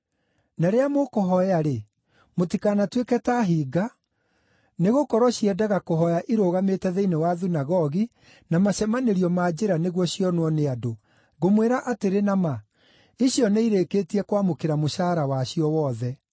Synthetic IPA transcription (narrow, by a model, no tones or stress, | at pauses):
naɾeamokɔɦɔjaɾe | motikanatwekɛtaɦiːɡa | neɣokɔɾɔɕiɛdaɣakoɦɔjaʔiɾoːɣametɛðeinewaðunaɣɔɣi | namaɕɛmaneɾiɔmad͡ʑeɾaneɣwɔɕjɔnwɔneado | ɣomweɾaʔateɾenama | iɕjɔneiɾekeːtiɛkwamokeɾamoʃaːɾawaɕiɔwɔːðɛ